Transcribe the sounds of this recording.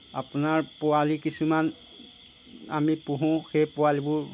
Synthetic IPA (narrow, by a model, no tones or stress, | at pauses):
a̰punaɹpʊwalikisuman | a̰mipũɦʊ̃xejpʊwalibʊɹ